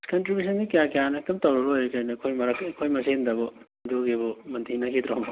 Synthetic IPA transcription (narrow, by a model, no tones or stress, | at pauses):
kɐntɾibjus̬ɐnɡikɐjakɐjanɐːk̚tɐmtɐwɾɐɾojɾekɐjnɐkʰojmɐɾɐkkʰojmɐsendɐbo | doɡebomɐnt̪ʰinɐkʰid̪ɾom